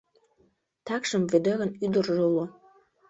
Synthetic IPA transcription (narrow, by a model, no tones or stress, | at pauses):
t̪ɑkʃə̆mved̪ĕɣə̆nyd̪ə̆rʒolo